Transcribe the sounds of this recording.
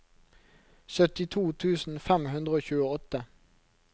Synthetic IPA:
sœt̪ɪt̪ʰuːt̪ʰʉːsn̩fɛmɦʉnd̪ʁəoːçʉːəɔt̪ə

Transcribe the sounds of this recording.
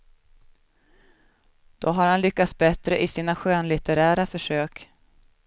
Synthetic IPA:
d̪̥ɔɦaɾhanlʏkːat̪sbɛt̪ɾəʔɪsiːnaɧøːnlɪt̪əɾæːɾafœʂøːk

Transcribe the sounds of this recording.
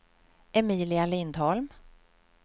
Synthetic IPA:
ʔɛmiːlɪalɪnd̪hɔlm

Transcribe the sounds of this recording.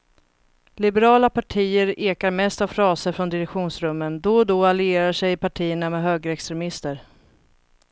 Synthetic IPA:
lɪbɛɾɑːlapaʈʰiːəɾeːkaɾmɛst̪avfɾɑːsəɾfɾɔnd̪ɪɾɛkɧuːnsɾɵmːənd̪ɔd̪ɔalɪeːɾaʂɛjɪpaʈʰiːəɳamɛɦøːɡɾəɛkst̪ɾɛmɪst̪əɾ

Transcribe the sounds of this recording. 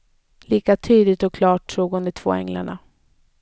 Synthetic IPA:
liːkat̪ʰyːd̪lɪt̪ɔkʰlɑːʈːɾuːɡɔnd̪ət̪ʰv̥o̰ːɛ̰ŋla̰ɳa̰

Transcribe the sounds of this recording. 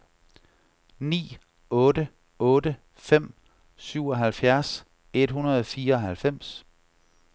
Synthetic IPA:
nḭː | ɔ̽ːdə | ɔ̽ːdə | fem̰ | syʊ̰ɒ̽ɦælfjæɐs | e̝d̥hunɐðˠɒfiːɐɒ̽hælfem̰s

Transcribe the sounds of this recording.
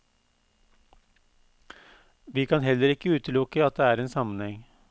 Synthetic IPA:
ʋiːkʰɑnɦɛləɾɪkːəʉːt̪əlʊkəɑt̪̚d̪eːæːɾeːnsɑmənhɛŋ

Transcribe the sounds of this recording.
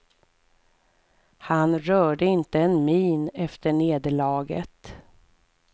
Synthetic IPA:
hanɾœːɖəɪnt̪əɛnmiːnɛft̪əɳeːd̪əɭɑːɡə̰t̪

